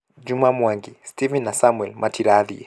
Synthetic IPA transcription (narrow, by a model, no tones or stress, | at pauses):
d͡ʒumamwaŋɡistivinːasamwɛlmʔatiɾaði